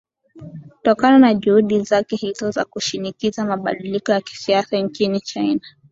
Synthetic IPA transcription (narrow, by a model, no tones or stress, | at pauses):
utɔkananaʄuhuɗizakɛhizɔza̰kuʃinikizamaɓa̰ɗilikɔjaki̥siasaɲt͡ʃinit͡ʃajna